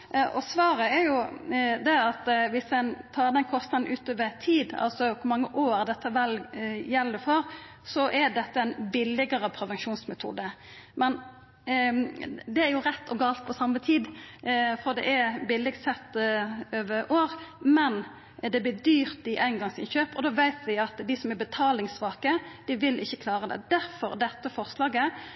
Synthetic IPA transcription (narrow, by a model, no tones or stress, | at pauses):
ʔɔsʋɑːɾəæɾjʊd̪ɛɑt̪ʋɪsd̪ɛnt̪ʰɑːd̪ɛnkʰɔst̪nɑd̪n̩ʔʉːt̪øːʋət̪ʰiːd̪ɑ̰lsɔkʰʊmɑŋːəʔoːɾd̪ɛt̪ːəʋɛljɛlːəfɔɾ | sɔʔɛd̪ɛt̪ːəɛɪnbɪlɪɡəɾəpʰɾɛʋɛnʃuːnsmɛt̪ʰṵːd̪əmɛn | d̪ɛæɾjʊʁɛt̪ːɔɡɑːlt̪̚pʰɔsɑmːət̪ʰiːd̪ | fɔʁd̪ɛ̰ʔæbɪlɪɡt̪sɛt̪ːøːʋəɾʔoːʁmɛn | d̪ɛb̪ɪːd̪yːʁt̪ɪʔæɪnɡɑŋsɪ̰nçøːpɔd̪oːʋæɪt̪ʋɪɑt̪d̪ɪsɔmæɾbət̪ʰɑːlɪŋsʋɑːkəd̪̥ɪʋɪlʔɪ̰çːəkʰlɑːʁəd̪ɛ̰d̪̥æɾfɔ̰ɾd̪ɛt̪ːəfɔʁslɑːɡə